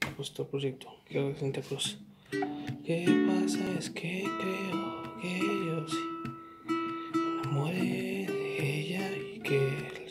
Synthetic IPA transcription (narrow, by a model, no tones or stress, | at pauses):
pust̪opɾoʒek̚t̪o̥kesent̪ekɾos | kepasaeskʰepeokejos | ameɾed̪eejaike